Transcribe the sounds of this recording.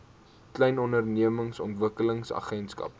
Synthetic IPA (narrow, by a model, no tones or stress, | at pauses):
klɛjnɔndərniəməŋsɔntvəkələŋsɐ̰χɛntskɐ̰p̚